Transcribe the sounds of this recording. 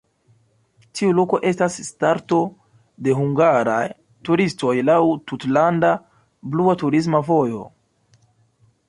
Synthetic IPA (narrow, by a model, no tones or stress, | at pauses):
tʰiulo̞ko̞ʔe̞stasːtaɾto̞ | de̞ɦuŋɡaɾaj | tuɾisto̞jlawtutlanda | bluatuɾis̬mavo̞jo̞̰